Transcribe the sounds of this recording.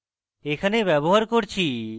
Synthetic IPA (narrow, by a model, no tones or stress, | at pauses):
ekʰanebɛboɦaɾkoɽt͡ʃʰi